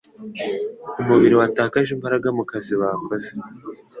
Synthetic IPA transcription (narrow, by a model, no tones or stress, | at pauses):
umuβiɾiwataːkaʒimbaɾaɡamukaziβakʰo̞ze